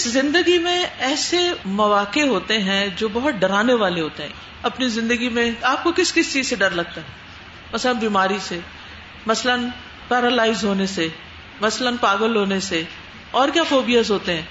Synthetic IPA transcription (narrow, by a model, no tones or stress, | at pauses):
ɪszɪ̃nd̪əɡimẽɛːsemɐʋaːkeɦoːt̪eɦɛ̃d͡ʒoːbɐɦʊt̪̚ɖɐɾaːneʋaːleɦoːt̪eɦɛ̰̃ | ɐpnizɪ̃nd̪əɡimẽaːp̚kokɪskɪst͡ʃiːzseɖɐɾlɐɡ̚t̪aɦɛ | mɐslənbiːmaːɾise | mɐslən | pɛːɾəlaːɪzɦoːnese | mɐslənpaːɡəlɦoːnese | ɔːɾkjaːfoːbijəzɦoːt̪eɦɛ̃ː